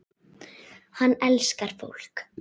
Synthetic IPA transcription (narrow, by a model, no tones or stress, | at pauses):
hanːɛlskaɾ̥fo̰wl̥k